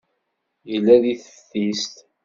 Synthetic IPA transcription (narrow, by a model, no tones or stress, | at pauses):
jəlːæðiθə̥θist̪